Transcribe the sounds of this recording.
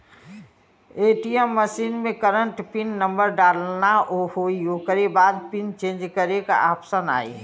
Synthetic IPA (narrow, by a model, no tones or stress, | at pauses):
eːʈiɛmːəʃiːnmẽkəɾəɳʈpɪnːə̃mbəɾɖaːlnaʔohoːiokəɾebaːd̪pɪnt͡ʃẽːnd͡ʒkəɾeka̰ʔaːpsəna̰ːḭ